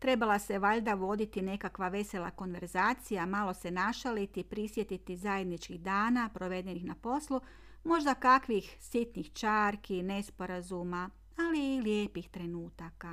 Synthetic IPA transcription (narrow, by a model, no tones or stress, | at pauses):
t̪ɾe̞balˠase̞ʋaʎd̪aʋo̞d̪it̪ine̞kakʋaʋe̞se̞lˠa̰ko̞nʋe̞ɾzaːt̪sijamalˠo̞se̞naʃalit̪ipɾisje̞t̪it̪izaje̞d̪nit͡ʃkiɣd̪aːnapɾo̞ʋe̞d̪e̞nixnapo̞slˠu | mo̞ʒd̪akakʋixsit̪nixt͡ʃaːɾkine̞spo̞ɾazuma | aliːljeːpixt̪ɾe̞nuːt̪aka